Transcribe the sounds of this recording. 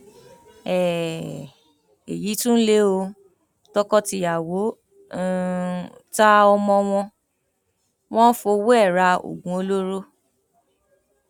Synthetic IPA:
ɛ˨ | ḛ˨ji˨˦tũ˦n̩˦le˦o˧ | tɔ˦kɔ˦ti˧a˨wõ˨˦˨ | ta˦ɔ˧mɔ̃˧w̃ɔ̃˧ | w̃ɔ̃˦n̩˦fo˧wo˦ɛ˦˨ɾa˧o̰˨ɡũ˧˦o˧lo˦ɾo˦

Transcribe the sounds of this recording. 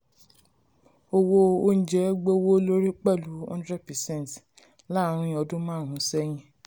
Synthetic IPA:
o˧wo˧o˦n̩˦˨d͡ʒɛ˦ɡ͡bo˦wo˦lo˦ɾi˦k͡pɛ˦˨lu˨˦ɔ̰̃˧˦n˦dɾɛ˦˨pɛ˨sɛ̃˦˨n˨t | la˦˨˦ɾ̃ĩ˦ĩ˧˦ɔ˧dũ˦mãː˦˨ɾ̃ũ˨˦sɛ˦j̃ĩ˧

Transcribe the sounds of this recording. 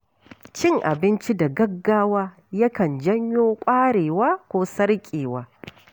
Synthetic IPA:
t͡ʃɪ˦˨ŋʔa̰˨bɪ˦nt͡ʃi˦da˨ɡɐ˦ɡːaː˦waː˦ | jɐ˦kɐ˨nd͡ʒɐ˦ɲjoː˦kʷʼaː˦ɽeː˨waː˦kʷoː˦sɐ˦ɽkʲʼeː˨waː˦

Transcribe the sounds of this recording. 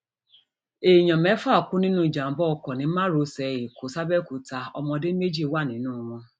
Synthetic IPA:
e˨ɲɔ̃˨mɛ˨˦fa˦˨kʊ˦nĩ˦nũ˦˨d͡ʒa˨m̩˨bɔ˦˧kɔ˨nĩ˨˦mã˦ɾo˨˦sɛ˨je˨kʰo˨˦sa˦bɛ˦ku˨˦ta˨ɔ̰˧mɔ̃˧˦dɪ˦me˦d͡ʒi˦wa˦˨nĩ˨˦nũ˦˨wʊ̃˧

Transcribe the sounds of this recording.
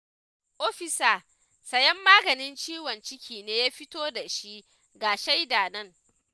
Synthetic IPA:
ʔoː˦ɸɪ˨saː˨ | sɐ˨jɛ˦mːaː˦ɡɐ˨nɪ˦nt͡ʃiː˦wɐ˨nt͡ʃɪ˦kʲʰiː˨neː˦jaː˦ɸɪ˦toː˦da˨ʃi˦ʔ | ɡaː˨ʃa˦jdaː˨nɐ˦˨ŋ

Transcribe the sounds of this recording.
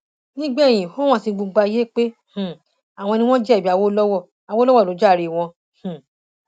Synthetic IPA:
nĩ˦ɡ͡bɛ˦˨j̃ĩ˨fo˦w̃ɔ̃˦˨sĩ˧ɡ͡bu˧ɡ͡ba˧˦je˦k͡pe˦h̩˨ | a˨w̃ɔ̃˧nĩ˧w̃ɔ̃˦d͡ʒɛ˦˨bi˨˦a˧wo˦lɔ˦wɔ˦˨ | a˨wo˦lɔ˦wɔ˦˨lo˨˦d͡ʒa˦˨ɾi˧˨w̃ɔ̃˧ | hũ˨

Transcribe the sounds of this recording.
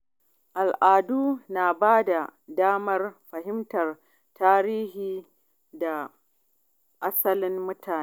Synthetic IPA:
ʔa˨lʔaː˨duː˦naː˨baː˦da˨daː˦mɐ˦rɸɐ˨ɦɪ˦mtɐ˨r | taː˦ɾiː˦ɦiː˨ | da˨ | ʔa˦sɐ˦lɪ˦mmʊ˦tʰaː˨ne˦

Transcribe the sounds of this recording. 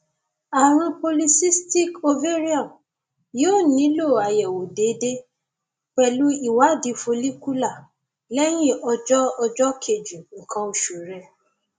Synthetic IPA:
a˨ɾ̃ũ˧po˧li˧si˦sti˦ko˧ve˦ɾi˦ɔ˦˨m | jo˦˨nĩ˨˦lo˦˨a˨jɛ˨wo˨de˨˦de˦ | k͡pɛ˨lu˦i˨wa˨˦˨di˧fo˧li˦ku˦la˦˨ | lɛ˦j̃ĩ˦˨ɔ˧d͡ʒɔ˦ɔ˧d͡ʒɔ˦kʰe˨d͡ʒu˨ŋ̩˨kʰã˧o˨ʃo˨ɾɛ˧

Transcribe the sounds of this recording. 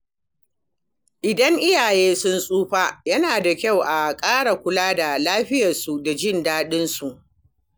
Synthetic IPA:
ʔɪ˨dɐ˦ŋʔɪ˦jaː˨jeː˦sʊ˦nsʼuː˦ɸaː˦jɐ˦naː˨da˨kʲa˦˨wʔa˨kʼaː˦ɽa˨kʷʊ˦laː˦da˨laː˦ɸɪ˦jɐ˨rsu˨da˨d͡ʒɪ˦ndaː˦ɗɪ˦nsu˨ʔ

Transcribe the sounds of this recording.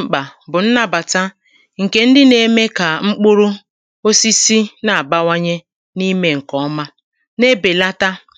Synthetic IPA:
k͡pa˨bʊ˨n̩˦na˦ba˨ta˦ | ŋ̩˨ke˦n̩˦dɪ˦ne˦me˦ka˨ŋ͡m̩˦k͡pʊ˦ɾu˦ | o˦si˦si˦na˨a˨ba˦wa˦ɲe˦ | ni˦me˦ŋ̩˨kɔ˨˦ma˦ | ne˦be˨la˦ta˦

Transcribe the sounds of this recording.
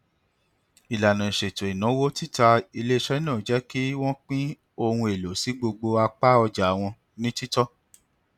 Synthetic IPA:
i˨la˨nã˨i˨ʃe˨to˨i˨nã˨˦wo˦ti˦ta˧i˧le˦ʃɛ˦nãː˦˨d͡ʒɛ˨˦ki˦w̃ɔ̃˦k͡pĩ˦ | o˧hũ˧e˨lo˨˦si˨˦ɡ͡bo˧ɡ͡bo˧a˧k͡pa˦ɔ˧d͡ʒa˨w̃ɔ̃˧ | nĩ˦ti˦tɔ˦

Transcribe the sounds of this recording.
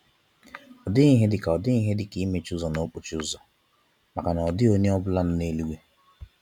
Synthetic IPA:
ɔ˨dɪ˦i˦ɦe˦dɪ˨ka˨ɔ˨dɪ˦i˦ɦe˦dɪ˨ki˨˦i˦me˨t͡ʃu˦zɔ˨no˦k͡pu˨t͡ʃu˦ʊ˦zɔ˨ | ma˨ka˨na˨ɔ˨dɪ˦o˦ɲe˦ɔ˦bʊ˦la˦n̩˦ne˦li˦ɡʷe˦

